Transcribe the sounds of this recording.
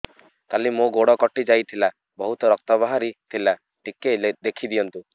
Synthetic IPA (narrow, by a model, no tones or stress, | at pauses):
k̪alimõɡoɽɔkɔʈid͡ʒajt̪ʰila | bɔɦut̪ɔɾɔk̚t̪ɔbaɦaɾit̪ʰila | ʈiked̪ekʰid̪ijɔnt̪u